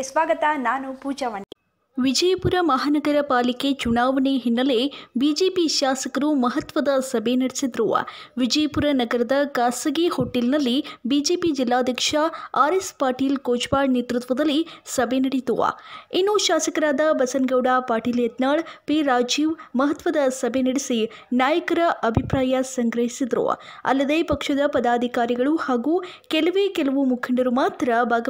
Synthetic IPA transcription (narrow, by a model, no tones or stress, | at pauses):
sʋaːɡɐt̪anaːnupuːd͡ʒɐʋɐnːi | ʋid͡ʒɐjɐpuɾɐmɐɦaːnɐɡɐɾɐpaːliket͡ʃunaːʋɐneɦinːɐlebiːd͡ʒeːpiʃaːsɐkɐɾumɐɦɐt̪ʋɐd̪ɐsɐbʱenɐɽisid̪ɾuʋɐ̰ʋid͡ʒɐjɐpuɾɐnɐɡɐɾɐd̪ɐkaːsɐɡehoːʈːelnɐlːibiːd͡ʒeːpid͡ʒilːaːd̪ʱjɐkʂɐaːɾespaːɾʈiːlkoːt͡ʃbaːɽnet̪ɾut̪ʋɐd̪ɐlːisɐbʱenɐɽit̪uʋɐ̰inːuʃaːsɐkɐɾaːd̪ɐbɐsɐnɡɐwɽaːpaːɾʈiːljɐt̪naːɭpiːɾaːd͡ʒiːʋmɐɦɐt̪ʋɐd̪ɐsɐbʱenɐɽisi | naːjɐkɐɾɐʔɐbʱipɾaːjɐsɐŋɡɾɐɦisid̪ɾṵɐ̰lːɐd̪eːpɐkʂɐd̪ɐpɐd̪aːd̪ʱikaːɾiɡɐɭuhaːɡukɛlɐʋeːkɛlɐʋumukʰɐɳɖɐɾumaːt̪ɾɐbʱaːɡɐ